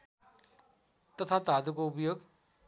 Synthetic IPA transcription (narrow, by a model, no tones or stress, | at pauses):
t̪ʌt̪ʰat̪ad̪ukoupʌjoɡ